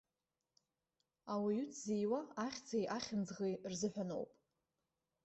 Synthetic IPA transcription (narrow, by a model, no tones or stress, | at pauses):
awajytʰʼzejwaaχʲt͡sʰajʔaχʲɪnd͡zʁejrzɨħʷᶣano̞̰wpʼ